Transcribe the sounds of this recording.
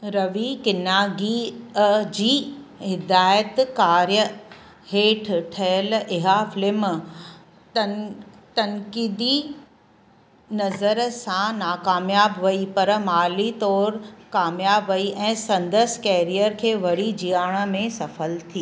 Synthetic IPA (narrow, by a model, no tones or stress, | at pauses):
ɾɐʋikɪnaːɡi | d͡ʑiːɦɪd̪aːjət̪kaːɾjə | heːʈʰʈʰɐjəlɪɦafɪlɪm | t̪ɐŋkiːd̪i | nɐzəɾsãnaːkaːmjaːbʋɐipɐɾmaːlit̪ɔːɾkaːmjaːbʋɐiʔɛ̃ːsɐ̃nd̪əskɛːɾijəɾkʰeːʋɐɽid͡ʑijaːɽ̃ə̆mẽsɐfəlt̪ʰiː